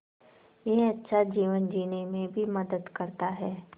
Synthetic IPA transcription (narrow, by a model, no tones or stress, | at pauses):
jeɦɐtːʃʰad͡ʒiːʋənd͡ʒiːnemẽbʱimɐd̪əd̪kɐɾt̪aɦɛː